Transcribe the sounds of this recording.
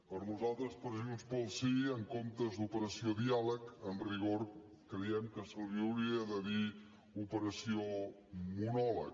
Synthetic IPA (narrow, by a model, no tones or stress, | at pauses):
pəɾnuzalˠt̪ɾəspɾəziunspəlˠsiəŋkomt̪əzd̪upəɾəsioðialəkənriɣ̞oɾ | kɾəjɛmkəsəlˠβiwɾiəðəði | upəɾəsio | munɔlə̰k